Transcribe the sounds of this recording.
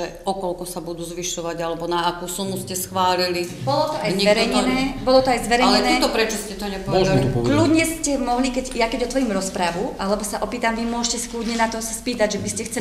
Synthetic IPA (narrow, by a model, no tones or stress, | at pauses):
ɛ | ɔkɔlkɔsabud̪uːzʋiʃɔʋaɟalɛbɔnaːkuːsunuscɛsxʋaːlilibɔlɔt̪ɔajzʋɛɾɛjɲɛnɛːbɔlɔt̪ɔajzʋɛɾɛlɛnɛːt̪ɔpɾɛt͡ʃɔscɛt̪ɔɲɛpɔʋɛd̪aliklud̪ɲɛscɛmɔɦlikɛɟjakɛɟɔt̪ʋɔɾimɾɔspɾaʋuʔalɛbɔsaʔɔpiːt̪amʋimʊɔʃcɛsi̥klud̪ɲɛnat̪ɔsaspiːt̪aɟʒɛbiscɛxt͡sɛ